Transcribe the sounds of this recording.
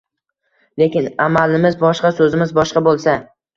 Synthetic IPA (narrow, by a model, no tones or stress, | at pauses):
lekʲɪnamalɪmɪzbɒʃqɑsɵzɪmɪzbɒʃqɑbolˠsa